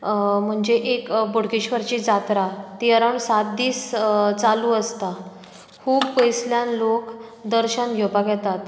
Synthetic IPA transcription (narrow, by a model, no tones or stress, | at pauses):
m̤əɳd͡zeʔekbuɽ̤kiɕʋəɾt͡ɕid͡zat̪ɾat̪iəɾəɳsat̪̚d̪iːst͡saluːəst̪a | kʰuːbpəjsljanlokd̪əɾɕənɡʱewpakjɛt̪at̪